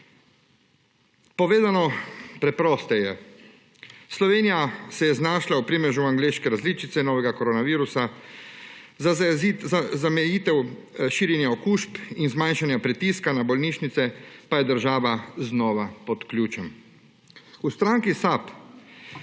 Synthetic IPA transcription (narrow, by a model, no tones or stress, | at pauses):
pɔʋeːzanɔpɾɛpɾɔːst̪ɛjɛ | slɔʋeːnijasɛjɛznaːʃlaupɾimɛʒuaŋɡleːʃkɛɾazliːt͡ʃit̪sɛnɔːʋɛɡakɔɾoːnaʋiːɾusa | zamɛjit̪ɛw | ʃiːɾjɛnjaɔkuːʃpinzmanʃanjapɾit̪iskanabɔlniʃnit̪sɛpajɛd̪əɾʒaːʋaznɔːʋapɔt̪klʲjuːt͡ʃɛm | ust̪ɾaŋkisap